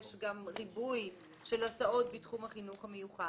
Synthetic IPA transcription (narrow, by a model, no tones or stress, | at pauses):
ʃɡamʁibuj | ʃe̞lasao̞t̚bitχumhaχinuχhame̞juχa